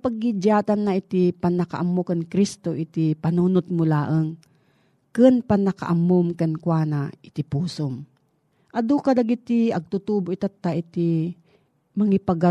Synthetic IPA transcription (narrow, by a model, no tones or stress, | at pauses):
paɡːid͡ʒaːt̪anːaʔit̪ɪpanːɐka̰ʔamːokankɾist̪oʔit̪ipanuːnʊt̪̚mʊlaːʔəŋ | kɨnpanːɐka̰ʔamːomkankwanaʔɪt̪ɪpuːsom | ʔɐd̪ukad̪aɡit̪iɐɡ̚t̪ut̪uboit̪at̪ːaʔit̪ɪ | mɐŋipaɡa